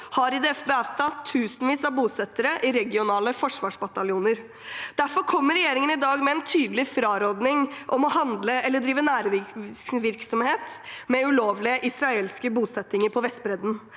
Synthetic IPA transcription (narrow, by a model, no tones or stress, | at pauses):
hɑɾɪd̪ɛɛfbeːɑʋt̪ʰɑt̪ʰːʉːsənʋiːsɑʋbuːsɛt̪ːəɾəʔɪɾɛɡɪʊnɑːləfɔʂʋɑːʂbɑt̪ɑljuːnəɾ | d̪̥æɾfɔɾkʰɔmːəɾɛjeːɾɪŋənɪd̪ɑːɡmɛɛnt̪ʰyːd̪lɪfɾɑːɾoːd̪nɪŋʔɔmɔɦɑnd̪ləɛlːəɖɾiːʋənæːɾʋɪʋɪɾksɔmheːt̪ | mɛʉloːʋlɪəʔɪsɾɑeːlskəbuːsɛt̪ːɪŋəɾpʰɔʋɛst̪̚bɾɛd̪n̩